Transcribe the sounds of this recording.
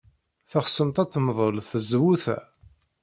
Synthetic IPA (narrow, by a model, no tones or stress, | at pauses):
θəχsəmt̪ˤæθmðˤəlθəzwuθæ̰